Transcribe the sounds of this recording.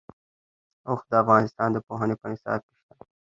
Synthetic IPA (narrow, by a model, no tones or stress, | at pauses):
ox̚d̪əafɣɑnɪst̪ɑnd̪əpoɦənepənɪsɑ̰ːb̪̚kɪʃt̪a